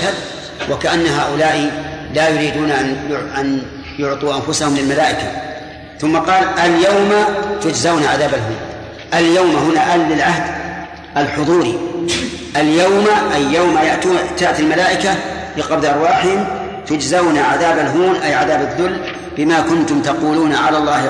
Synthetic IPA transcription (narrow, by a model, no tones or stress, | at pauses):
ad̪ | wʔakaʔanːaɦaːʔʊlaːʔilajʊɾiːd̪uːnʔʔan | jʊʕt̪ˤuːʔanfʊsahʊmlɪlmalaːʔɪka | θʊmːɑqɑːlʔaljawmat̪ʊd͡ʒzawnaʕaðaːbalɦuːn | ʔaljawmahʊnaʔalːɪlʕahd̪ | ʔalħʊðˤuːɾi | ʔaljawmaʔajːawmajaʔt̪uːnɪt̪aːt̪almalaːʔɪka | lɪqɑbd̪ʔɑɾˤwaːħɪhɪm | t̪ʊd͡ʒzawnaʕaðaːbalɦuːnʔajʕaðaːbaðːʊlː | bɪmakʊnt̪ʊmt̪ɑquːluːnaʕalaːlˤːɑːh